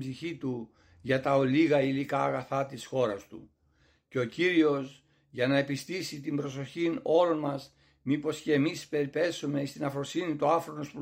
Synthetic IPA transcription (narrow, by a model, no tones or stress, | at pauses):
bziçit̪u | ʝɐt̪ɐo̞liɣɐilikɐːɣɐθɐt̪isxo̞ɾɐst̪ṵ | ce̞o̞ciɾio̞s | ʝɐnɐe̞pist̪isit̪imbɾo̞so̞çino̞lo̞nmɐs | mipo̞sce̞ːmispe̞ɾipe̞sume̞ist̪inɐfɾo̞sinit̪uɐfɾo̞nospu